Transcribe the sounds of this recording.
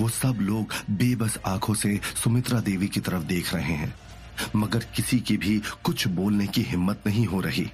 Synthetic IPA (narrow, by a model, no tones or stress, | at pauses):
ʋoːsɐbloːɡbeːbɐsaːkʰõsesʊmɪt̪ɾad̪eːʋikit̪ɐɾəfd̪eːkʰɾɐɦeɦɛ̰̃ː | mɐɡəɾkɪsikibʱikʊt͡ʃʰboːlnekiɦɪmːət̪nɐɦĩɦoɾɐɦḭː